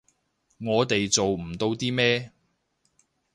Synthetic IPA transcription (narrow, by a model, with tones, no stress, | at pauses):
ŋɔː˨˧t̪e˨jt͡so˨wm̩˨˩t̪o˧wt̪iː˥mɛː˥